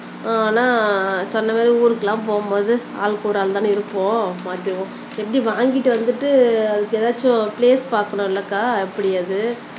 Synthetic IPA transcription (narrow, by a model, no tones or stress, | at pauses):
aaːnaːsɔnːɐmaːðiuːɾɯkːɐlãːp̬oːmbɐːðɯ | aːlkuːɾaːlt̪ãːɪɾɯpːõːmaːt̪ːɪʋõ | ɛpːɐɽiʋaːŋɡɪʈːɯʋɐnd̪ɯʈːɯɐðɯkːɯɛːðaːt͡ʃːʊ̃pleːspaːɾkːɐɳʊ̃ɪlːɐkːaːɛpːɐɽɪjɐðɯ